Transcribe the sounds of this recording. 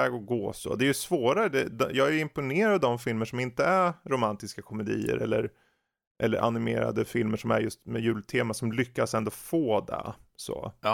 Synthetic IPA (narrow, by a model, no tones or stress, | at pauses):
ɛːɡɔɡoːso̰d̪ɛːjɵsvoːɾaɾəd̪ɛd̪jɑːɡæɪmpʊneːɾad̪d̪ɔmfɪlməʂɔmɪnt̪əæɾɾʊmant̪ɪskakʰɔmɛd̪iːə̰ɾʔɛlːəɾ | ʔɛlːə̰ɾʔa̰nɪmeːɾa̰d̪əfɪlməʂɔmæ̰ɾjɵst̪mɛjʉ̟ːlt̪ʰeːmasɔmlʏkːasɛnd̪oːfoːd̪ɛ̰so̰ː